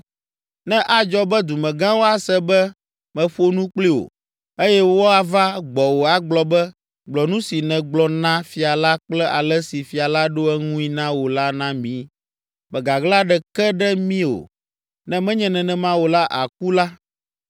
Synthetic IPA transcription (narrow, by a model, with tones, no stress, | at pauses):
nɛ̃˦ʔa˨d͡ʒɔ˦bɛ˦d̪u˨mɛ̃˨ɡã˦wo˦a˨sɛ˦bɛ˦ | mɛ̃˨ɸo˦nũ˦k͡pli˦o̰˨ | e˦jɛ˦wo˦a˨va˦ɡ͡bɔ˨wo˨a˨ɡ͡blɔ˨bɛ˦ | ɡ͡blɔ˨nũ˦si˨nɛ̃˨ɡ͡blɔ˨nã˦fi˨a˨la˦k͡plɛ˦ʔa̰˨lɛ˦si˨fi˨a˨la˦ɖo˦ɛ˦ŋũ˦i˦nã˦wo˨la˦nã˦mĩ˦ | mɛ˨ɡa˨ɡla˦ɖɛ˨kɛ˦ɖɛ˦mĩ˦o̰˨ | nɛ̃˦mɛ̃˦ɲɛ̃˨nɛ̃˨nɛ̃˦mã˦wo˨la˦ʔa˨k̚u˦la˦